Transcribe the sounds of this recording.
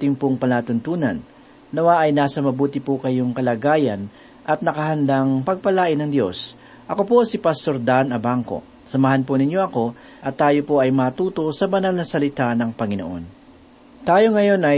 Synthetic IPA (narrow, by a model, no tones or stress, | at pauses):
t̪ɪŋpoŋpɐnaːt̪ʊnt̪uːnɐnː | ɐwaʔɐjnaːsɐmɐbuːt̪ɪpokɐjoŋkɐlaːɡaːjɐn | ʔɐt̪̚nɐkɐɦɐnd̪aŋpɐɡ̚pɐlaːʔɪnɐŋd̪jo̞̰s | ʔɐko̞po̞sɪpɐst̪o̞ɾd̪anɐbaŋko̞̰ | sɐmɐɦɐnponɪɲjo̞ʔɐko̞ | ʔɐt̪ːaːjo̞po̞ʔɐjmaːt̪uːt̪o̞sɐbɐnalnɐsɐlɪt̪anɐŋpɐŋɪnoʔo̞̰n | t̪aːjo̞ŋɐjo̞nʔɐj